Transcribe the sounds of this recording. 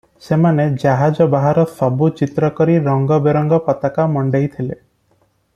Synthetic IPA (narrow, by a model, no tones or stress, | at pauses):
semaned͡ʒaɦad͡ʒɔbaɦaɾɔsɔbut͡ʃit̪ɾɔkɔɾiɾɔŋɡɔbeɾɔŋɡɔpɔt̪akamɔɳɖejt̪ʰile